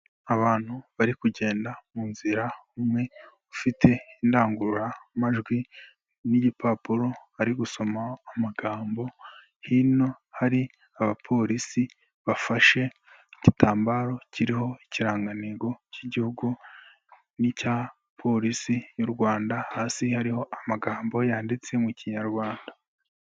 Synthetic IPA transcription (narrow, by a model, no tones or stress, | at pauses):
aβaːn̥huβaɾikuɟe̞ːndamuːnziɾaumŋe̞ | ufitʰe̞indaːŋɡuɾamaʒɡwi | niɟipaːpuɾo̞aɾiɡuso̞maːmaɡaːmbo̞ | hino̞ | haɾi | aβapʰo̞ːɾisi | βafaʃe̞ | icitaːmbaːɾo̞ciɾiho̞iciɾaːŋɡaniɡo̞ciɟihuɡu | nica | pʰo̞ɾisijuɾɡwaːndahaːsihaɾiho̞ʔamaɡaːmbo̞jaːndit͡se̞muciɲaɾɡwaːnda